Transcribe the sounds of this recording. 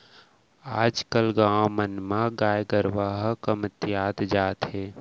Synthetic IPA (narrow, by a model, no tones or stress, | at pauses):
aːd͡ʒkəlɡaːmənmãɡaːjɡəɾʋaːɦkəmət̪jaːt̪d͡ʒaːt̪ɦeː